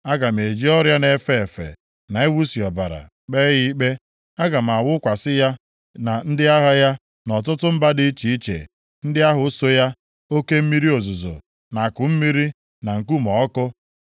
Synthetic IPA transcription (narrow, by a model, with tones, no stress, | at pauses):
a˦ɡa˨m̩˨e˨d͡ʒi˦ɔ˦ɾja˦ne˨fe˦˨fḛ˨ | na˨e˦wu˦si˨ɔ˨ba˨ɾa̰˨ | k͡pe˦ɣi˦k͡pe˦ | a˦ɡa˨m̩˨a˨wʊ˦kʷa˨sɪ˦ja˦ | na˨n̩˦dɪ˦a˦ɦa˦ja˦ | nɔ˨t̬ʊ˦tʊ˦m̩˦ba˦dɪ˦t͡ʃi˨i˦t͡ʃḛ˨ | n̩˦dɪ˦a˦ɦʊ˨˦so˦ja˦ | o˦ke˦m̩˦mi˦ɾi˦o˨zʊ˨zo̰˨ | na˨kʊ˨m̩˦mi˦ɾi˦ | na˨ŋ̩˨ku˦mɔ˨ɔ˦kʊ˦